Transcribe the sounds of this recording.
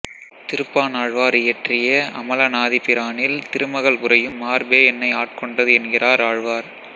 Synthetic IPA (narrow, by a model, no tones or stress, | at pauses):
t̪ɪɾɯpːaːnaːɻʋaːɾɪjɛʈrɪjɐɐmɐlɐnaːðipɪɾaːnɪlt̪ɪɾɯmɐɣɐɭʊrɐjɯmːaːɾbeːɛnːɐɪaːʈ̚kɔɳɖɐðɯɛnɡɪraːɾaːɻʋaːɾ